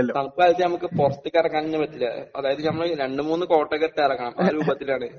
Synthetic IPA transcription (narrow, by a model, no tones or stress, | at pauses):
ɐonɐmɐkːɨɐlt͡ɕ̪ːɐnɐmukːɨporɐst̪ːikʲːɐrɐkːaːninːɨʋɐt̪ːilːɐ̰ɐðaːjɐðɨnɐmːɐɭɾe̞ɳɖɨmuːnːɨko̞ːʈːɐkɐɾt̪ːejɐrɐkːɐɳɐmʔaːɾuːbɐt̪ːilaːɳɨ